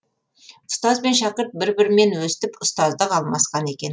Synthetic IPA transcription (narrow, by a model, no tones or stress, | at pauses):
ʊ̥st̪ɑzbe̞nʃɑqəɾt̪̚bɪɾbɪɾmenwɵsɪ̥t̪ɪpʊst̪ɑzd̪əqʰɑlˠmɑsqɑne̞kʲe̞n